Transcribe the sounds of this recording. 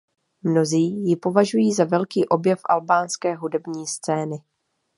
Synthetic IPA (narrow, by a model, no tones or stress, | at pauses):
mno̞ziːjɪpo̞vaʒujiːzavɛlkiːʔo̞bjɛfʔalbaːnskɛːɦudɛbɲiːst͡sɛːnɪ